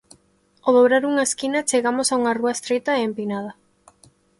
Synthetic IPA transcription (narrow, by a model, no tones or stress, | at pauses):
oðoβɾaɾuŋɐeskinɐt͡ʃeɣamosauŋɐruaest̪ɾet̪aeːmpinað̞ɐ